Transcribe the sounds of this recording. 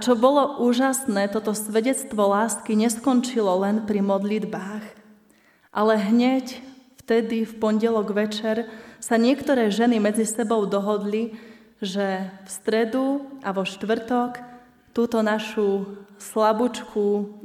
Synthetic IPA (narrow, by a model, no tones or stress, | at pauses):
at͡ʃɔbɔlɔʔuːʒasnɛːt̪ɔt̪ɔsʋɛɟɛt͡st̪ʋɔlaːskiɲɛskɔnt͡ʃilɔlɛnpɾimɔd̪lid̪baːx | ʔalɛɦɲɛcft̪ɛd̪ifpɔnɟɛlɔɡʋɛt͡ʃɛɾsaɲɪɛkt̪ɔɾɛːʒɛnimɛd͡zisɛbɔʊd̪ɔɦɔd̪li | ʒɛfst̪ɾɛd̪uʔaʋɔʃt̪ʋr̩t̪ɔk | t̪uːt̪ɔnaʃuslabut͡ʃkʰu